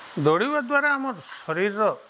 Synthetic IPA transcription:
d̪ɔɽiwad̪waɾaːmɔɾsɔɾiɾːɔ

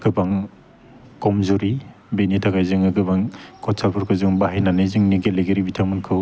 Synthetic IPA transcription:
ɡɯbaŋ | kɔmzuɾi | benitʰaɡajzɯŋɯɡɯbaŋkʰɔtsʰalpʰuɾkʰɯzɯŋbaɦajnanɯzɯŋniɡeleɡeɾibitʰamɯnkʰɯw

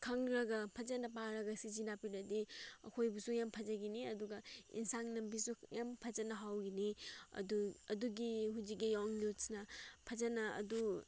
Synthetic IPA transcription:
kʰɐŋɾɐɡɐpʰɐzɐnɐpaɾɐɡɐsizinapiɾɐdiɐ̰kʰojbusujampʰɐzɐɡiniɐduɡɐḭnsaŋnɐmbisujampʰɐzɐnɐɦawɡiniɐ̰duɐduɡiɦuzikijaŋlusnɐpʰɐzɐnɐɐ̰du

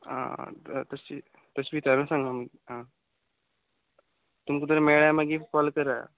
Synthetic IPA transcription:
ã̰t̪əsi | t̪əsbiːt̪aɾəsãŋɡamiɡiɦã | t̪umkud̪əɾmeɭamaɡifɔlkəɾa̰

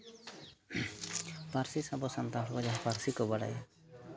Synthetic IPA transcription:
paɾsisabɔsant̪aʈʰɔkɔd͡ʒaɦapaɾsikɔbaɽa̰ja

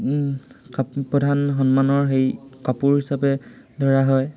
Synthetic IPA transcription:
kapɔdʱanxɔnmanɔɹxejkapuɹɦisapɛdʱɔɹaɦɔj

